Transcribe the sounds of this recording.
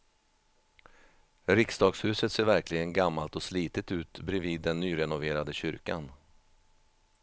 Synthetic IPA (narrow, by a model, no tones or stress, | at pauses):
ɾɪksd̪ɑːɡshʉ̟ːsət̪seːɾvæɾklɪɡənɡamːalt̪ɔsliːt̪ət̪ʉ̟ːt̪bɾɛviːd̪ːɛnːyːɾɛnʊveːɾad̪əɕʏɾkan